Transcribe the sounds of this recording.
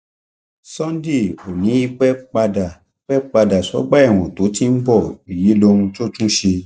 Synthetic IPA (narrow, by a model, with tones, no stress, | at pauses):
sɔ̃˦n˦di˦˨o˨nĩ˨˦i˧k͡pɛ˦k͡pa˧da˨ | i˨k͡pɛ˦k͡pa˧da˨sɔ̰˨˦ɡ͡ba˦ɛ˦˨w̃ɔ̃˨to˨˦tĩ˦n̩˦bɔ˦˨i˨ji˨˦lo˧ũ˧to˦tũ˦ʃe˧